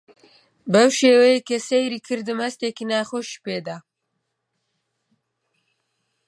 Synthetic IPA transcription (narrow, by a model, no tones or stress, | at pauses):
bɐwʃeːwejekesejɾiːkʰɨɾd̪ɨmhɐst̪eːkinaːxoːʃi̥peːd̪a